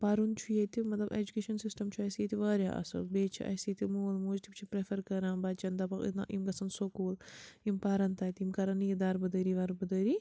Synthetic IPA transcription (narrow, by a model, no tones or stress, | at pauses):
paːɾunt͡ʃʰujet̪imɐt̪lɐbed͡ʒukeːʃɐnsisʈɐmt͡ʃʰuɐsit̪iʋaːɾʲa̰ʔɐ̰sɐ̰lbeːt͡ʃʰḭʔɐ̰jsiːt̪ʰimuːlmuːd͡ʒt̪ʰipt͡ʃʰipɾefɐɾkɐɾãnbaːd̪̚t͡ʃɐnd̪ɐpɐkḭnɐ̰ʔimɡɐsɐnsokoːlimpaːɾɐnt̪aːt̪imkɐɾɐnjid̪aːɾbɐd̪ɐɾiʋɐɾbɐd̪ɐːɾi